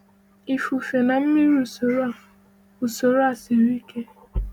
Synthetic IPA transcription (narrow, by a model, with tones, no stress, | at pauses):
i˨fu˨fe˨na˨m̩˦mi˦ɾu˦˨o˨˦˨ | u˨so˨ɾa˦˨si˨ɾi˦ke˦